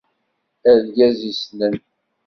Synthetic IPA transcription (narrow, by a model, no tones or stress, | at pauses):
æðɡæzisnən